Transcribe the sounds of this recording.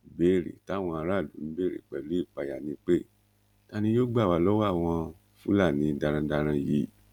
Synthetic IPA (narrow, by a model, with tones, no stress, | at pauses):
be˦˨ɾḛ˨ta˨˦w̃ɔ̃˧a˧ɾa˦˨lṵ˨˦n̩˦be˦˨ɾḛ˨k͡pɛ˨lu˨˦i˦˨k͡pa˧ja˨nĩ˧k͡pe˦˨ | ta˦˧nĩ˧˦jo˦ɡ͡ba˦˨wa˨˧lɔ˦wa˦˨w̃ɔ̃˧ | fũ˦la˦˨nĩ˨˦da˧ɾ̃ã˧da˧ɾ̃ã˧ji˨˦